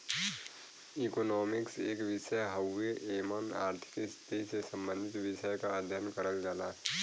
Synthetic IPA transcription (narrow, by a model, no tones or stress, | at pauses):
iːkonɔːmɪkseːkʋɪʃəjɦəweʔeːməna̰ːɾt̪ʰɪ̥kɪst̪esesə̃mbə̃nd̪ʱɪt̪ʋɪʃəjkaəd̪ʱjənkəɾəld͡ʒaːlaː